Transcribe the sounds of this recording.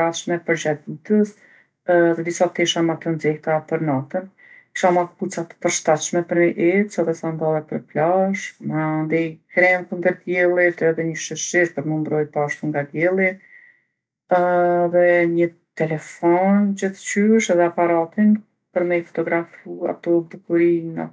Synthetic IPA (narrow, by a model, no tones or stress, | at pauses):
aʃmɛpəɾd͡ʑad̪ut̪əs | ðɛd̪isat̪ɛʃamat̪ɔnd͡zɛht̪apəɾnat̪ən | ki̥ʃamakput͡sat̪ə̥pəɾʃt̪at̪ʃmɛpəɾməʔɛt̪sɛðɛsand̪ɔlˠɛpəɾplaʃmand̪ɛjkɾɛmkund̪əɾd̪jɛlˠit̪ɛðɛɲəʃəɾʃiʃpəɾməmbɾɔjpaʃt̪uŋɡad̪jɛlˠi | ɛðɛɲə | t̪ɛlɛfɔnd͡ʑiθt͡ɕyʃɛðɛapaɾat̪in | pəɾmɛjfɔ̥t̪ɔɡɾafua̰t̪ɔd̪ukuɾiŋa̰